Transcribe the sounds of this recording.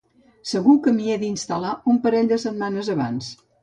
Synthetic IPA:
səɣukəmieðinst̪əlaumpəɾɛʎd̪əsəd̪̚manəzəβa̰ns

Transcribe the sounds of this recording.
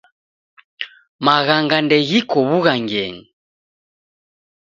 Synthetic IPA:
maɣaŋɡandɛɣikɔβuɣaŋɡɛ̰ŋ̩

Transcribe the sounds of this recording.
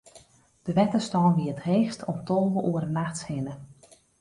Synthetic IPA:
d̥əʋɛtəstɔːnʋiətreːxstʰɔmtʰɔlˠʋəʔuəɾənaxtshɪnə

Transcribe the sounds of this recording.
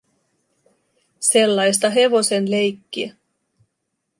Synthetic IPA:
se̞lːɑjst̪ɑɦe̞ʋo̞se̞nle̞jkːiæ

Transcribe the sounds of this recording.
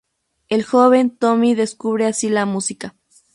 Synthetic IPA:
e̞lxoβe̞nt̪omiðe̞skuβɾeasilamusika

